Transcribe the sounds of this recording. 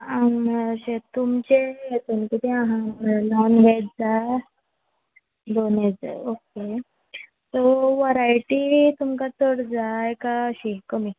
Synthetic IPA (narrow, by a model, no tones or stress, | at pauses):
ãməaɕet̪umt͡ɕejet̪uːnkit̪iãɦãənɔnɡʱajt̚d͡za | d̪oned͡za̰oke | t̪oʋaɾaiʈit̪umkat͡s̪oɽd͡zajkaəɕikəmiː